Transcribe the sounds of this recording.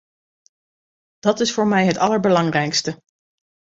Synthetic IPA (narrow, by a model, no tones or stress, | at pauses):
d̥ɑtɪsfʊːɹmɛjɦətɑləɹbəlɑŋrɛjkstə